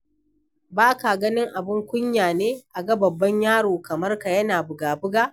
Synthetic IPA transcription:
baː˦ka˨ɡɐ˦nɪ˦ŋʔa˨bɪ˦ŋkʷʊ˦ɲjaː˨neː˦ʔa˨ɡɐ˦bɐ˨bːɐ˦ɲjaː˦ɽoː˨kɐ˨mɐ˦rka˨jɐ˦naː˨bʊ˨ɡaː˨bʊ˦ɡaː˦

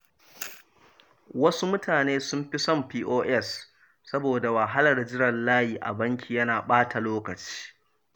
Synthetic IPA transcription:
wɐ˦su˦mʊ˦tʰaː˨neː˦sʊ˦mɸi˦sɔ˦˨mɸiː˦ʔoː˦ʔɛ˦sː | ɐ˦boː˨da˨wɐ˨ɦa˦lɐ˨rd͡ʒɪ˦ɽɐ˨nlaː˦jiː˨ʔa̰˨bɐ˦ŋkʲi˨jɐ˦naː˨ɓaː˦ta˨loː˦kɐ˨t͡ʃi̥ː˦

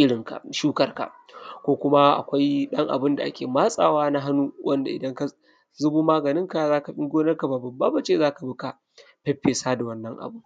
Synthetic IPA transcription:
ʔɪ˦ɽɪ˨ŋka̰˨ʃuː˦kɐ˦rka̰˨ | kʷoː˦kʷʊ˦ma˦ʔa̰˨kʷa˦jɗɐ˦ŋʔa̰˨bɪ˦nda˨ʔa˦kʲeː˨maː˦sʼa̰ː˨waː˦na˦ɦa˦nuː˦wʔɐ˦nda̰˨ʔɪ̰˨dɐ˦ŋka˨ | zʊ˦buː˦maː˦ɡɐ˨nɪ˦ŋka˨zaː˦ka˨ɸɪ˦ŋɡʷoː˦nɐ˦rka˨baː˨bɐ˨baː˦ba˨t͡ʃeː˦˨zaː˦ka˨bi˦ka˨ | ɸɛ˦ɸeː˨saː˦da˨wɐ˦nːɐ˦ŋʔa̰˨bʊ˦

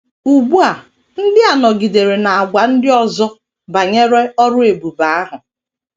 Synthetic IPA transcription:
u˨ɡ͡bu˦a˨ | n̩˦dɪ˦a˨nɔ˨ɡi˨de˨ɾe˨na˨a˨ɡʷa˨n̩˦dɪ˦ɔ˦zɔ˦ | ba˨ɲe˦ɾe˦ɔ˦ɾʊ˦e˨bu˨ba˨a˦ɦʊ˨

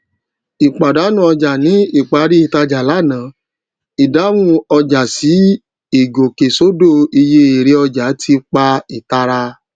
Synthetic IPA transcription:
i˨k͡pa˨da˨˦nũ˦ɔ˧d͡ʒa˨nĩ˨˦i˦˨k͡pa˧˦ɾi˦i˨ta˧d͡ʒa˨la˨˦˨nã˨˦ | i˨da˨˦wũ˦ɔ˧d͡ʒa˨si˨˦ | i˦˨ɡo˨ke˨so˦do˦˨i˧je˧e˨ɾe˧˦ɔ˧d͡ʒa˨˦tʰi˧k͡pa˧i˨ta˧ɾa˧

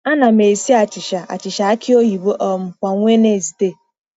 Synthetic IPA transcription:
a˦na˨me˨si˦a˨t͡ʃɪ˨ʃa˨ʔa̰˨t͡ʃɪ˨ʃa˨a˦kɪ˦o˦ɦi˨bo˦ʔɔ˨m̩˨kʷa˨ŋʷe˦ne˦˨zi˨te˦

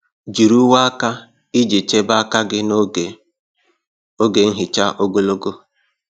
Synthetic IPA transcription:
d͡ʒi˨ɾu˦wa˦a˦ka˦ | i˦d͡ʒi˨t͡ʃe˦ba˦a˦ka˦ɡɪ˦n˦˨ | o˦ɡe˨ŋ̩˦ɦɪ˨t͡ʃa˦ʔo˦ɡo˦lo˦ɡo˦

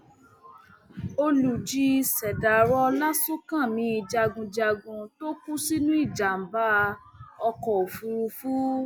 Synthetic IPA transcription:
o˧lu˨d͡ʒi˧˦˧sɛ˨da˨ɾɔ˧la˦so˦kã˦˨mĩ˨˦i˧d͡ʒa˧ɡũ˧d͡ʒa˧ɡũ˧to˦ku˦si˦nũ˦i˦˨d͡ʒa˨m̩˨ba˦˧ | ɔ˧kɔ˨o˨fu˧ɾu˧fu˦

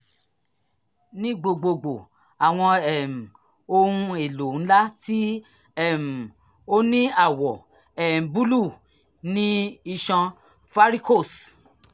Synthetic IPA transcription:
nĩ˦ɡ͡bo˧ɡ͡bo˧ɡ͡bo˨ | a˨w̃ɔ̃˧ɛ˨m̩˨ | o˧hũ˧e˨lo˨n̩˦la˦ti˦ | ɛ˦˨m̩˨ | o˦nĩ˦a˦˨wɔ˨ | ɛ˨m̩˨bu˦lu˦˨ | nĩ˦i˧ʃɔ̃˧ | fa˦ɾi˦ko˦˨s

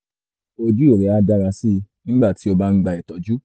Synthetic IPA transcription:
o˧d͡ʒu˦e˦˨ɾɛ˨˦a˧da˦ɾa˧si˦˨˧nĩ˦ɡ͡ba˦˨ti˨˦o˧ba˦n̩˦ɡ͡ba˧ɛ˨tɔ˨d͡ʒu˨˦

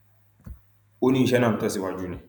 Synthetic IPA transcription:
u˦ni˦˨ʃɛ˦na˨m˨tɔ˦si˦˨wa˨d͡ʒuː˦ne˨

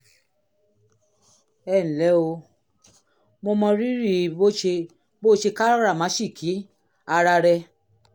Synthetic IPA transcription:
ɛ˦˨ñ̩˨lɛ˨˦o˧ | mo˧mɔ̃˧ɾi˦ɾi˦˨bo˦ʃe˧ | bo˦ʃe˧ka˦ɾɔ˦ɾa˦˨mã˨˦ʃi˦˨kʰi˨˦ | a˧ɾa˧ɾɛ˧

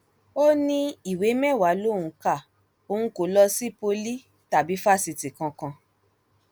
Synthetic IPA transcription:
o˦nĩ˧i˨we˨˦mɛ̃˦˨wa˨˦lo˦˨ũ˨˦ka˦˨ | o˧ũ˧˦ko˨˦lɔ˧si˦po˧li˦ | ta˨bi˨˦fa˦˨si˧ti˨kã˧kã˧

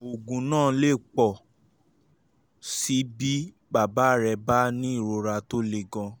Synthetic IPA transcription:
o˨ɡũ˨nãː˦˨le˦˨k͡pɔ˨ | si˨˦bi˦ | ba˦˨ba˨˦˨ɾɛ˧ba˦nĩ˦i˦˨ɾo˧ɾa˧to˦le˧ɡã˧

